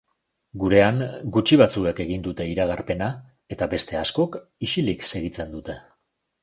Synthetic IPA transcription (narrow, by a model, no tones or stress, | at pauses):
ɡuɾe̞aŋɡut͡ʃiβat͡sueke̞ɣind̪ut̪e̞iɾaɣ̞aɾpe̞na | e̞t̪abe̞st̪e̞asko̞k | iʃilikse̞ɣit͡se̞nd̪ut̪e̞